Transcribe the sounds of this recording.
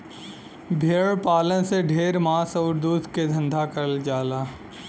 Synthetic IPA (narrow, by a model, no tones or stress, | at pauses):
bʱeːɭpaːlənseɖʱeːɾmaːsɔːɾd̪uːd̪ʱked̪ʱɐ̃nd̪ʱakəɾld͡ʒaːlaː